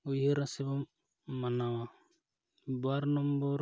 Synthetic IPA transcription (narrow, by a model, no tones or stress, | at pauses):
ujɦɯɾãsebɔmː | anawa | baɾnɔmbɔɾ